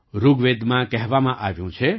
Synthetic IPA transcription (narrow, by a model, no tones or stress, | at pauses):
ɾuɡʋed̪mãkɛɦʋamãʔaʋjũt͡ʃʰe